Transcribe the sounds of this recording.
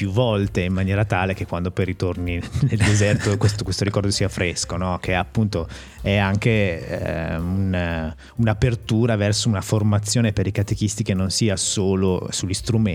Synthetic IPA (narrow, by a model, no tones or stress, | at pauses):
pjuvːɔlt̪eimːanjɛːɾat̪aːlek̟ekːwand̪opɔjɾit̪ornineld̪ezɛrt̪okwest̪okwest̪oɾikɔrd̪osiːafɾeskonɔk̟ʰeapːunt̪o | ɛaŋkḛ | un | unapert̪uːɾavɛrsounaformat̪sːjoːnepeɾikat̪ekist̪ikenːonsiːasoːlosulːist̪ɾume